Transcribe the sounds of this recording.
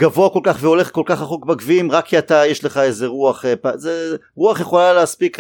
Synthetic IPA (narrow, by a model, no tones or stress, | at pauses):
ɡ̥avoako̞lkaχveo̞leχko̞lkaχaχokbaɡviimʁakʰːiatajeʃle̞χaezeʁuaχepaze | ʁuaχjeχo̞laleaspik